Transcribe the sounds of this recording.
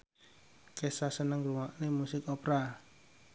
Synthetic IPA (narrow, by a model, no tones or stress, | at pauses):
kesasənəŋɾuŋaʔnemusɪkopɾa